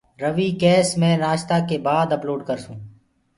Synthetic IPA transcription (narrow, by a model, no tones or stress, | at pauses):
ɾəʋiːkɛːsmɛ̃ːnaːʃt̪aːkeːbaːd̪əploːɖkəɾsũː